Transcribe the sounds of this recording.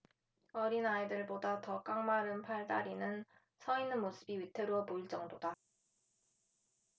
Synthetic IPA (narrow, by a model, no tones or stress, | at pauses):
ʌɾinaidɯɭbodatʌk͈aŋmaɾɯnpʰaɭdaɾinɯn | sʰʌinɯnmosʰɯbiɥitʰeɾoʌpoiɭt͡ɕ͈ʌŋdoda